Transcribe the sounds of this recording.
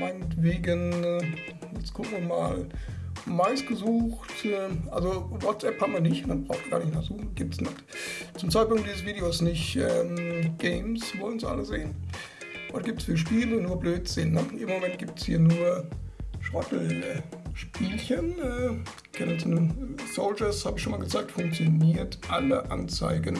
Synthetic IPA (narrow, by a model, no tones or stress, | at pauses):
maɪnətv̥eːɡən | jɛt͡skʰʊkŋvima̰ːl | maɪsɡ̥əzuːxtːʔalzovɔtt͡sʔɛphabm̩viɐnɪçnəb̥ʁaʊxtɡ̥a̰ːɐnɪçnaχz̥uːxn̩ɡ̥iːp̚tsnɪt | t͡sʊmt͡saɪt̚pʊŋkt̚d̥iːzəsv̥iːdeosnɪçʔɛːmɡ̥ɛɪmsvɔlən̩sʔa̰ləzeːən | vɔt̚ɡ̥iːp̚təsfyːɐʃ̬piːlnnuːɐbløːtz̥ɪnːəʔɪmomɛnt̚ɡ̥iːp̚tshiːɐnuːɐʃʁɔtl̩ | ʃpiːlçənɛː | kʰɛnəsnəsoʊld͡ʒɐshaːbəɪçʃoːmalɡət͡saɪk̚tfʊŋk̚t͡sjoniːɐtʔalə̰ʔa̰nt͡sa̰ɪɡən